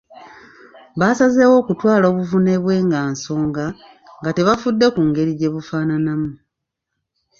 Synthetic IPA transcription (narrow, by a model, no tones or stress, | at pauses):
βaːsazewo̞ːkutwaːlo̞ːβuvune̞βwe̞ːŋɡaːnso̞ːŋɡa | ŋɡate̞βafudːe̞kuːŋɡe̞ɾiɟe̞βufaːnanamu